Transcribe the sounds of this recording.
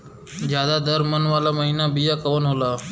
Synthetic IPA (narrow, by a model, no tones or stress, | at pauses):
d͡ʒjaːd̪aːd̪əɾmənʋaːlaːməɦiːnaːbiːjaːkəʋənɦoːlaː